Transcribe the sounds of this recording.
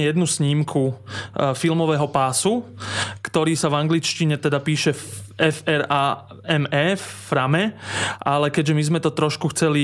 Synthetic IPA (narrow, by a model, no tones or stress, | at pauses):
jɛd̪nusɲimkʰu | filmɔʋɛːɦɔpaːsukt̪ɔɾiːsavaŋɡlit͡ʃciɲɛt̪ɛd̪apiːʃɛɛfɛɾaː | ɛmɛːffɾamɛʔalɛkɛɟʒɛmizmɛt̪ɔt̪ɾɔʃkuxt͡sɛli